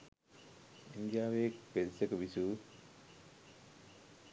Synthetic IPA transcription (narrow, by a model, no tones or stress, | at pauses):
ind̪ijaːʋeːkpesekuʋisuː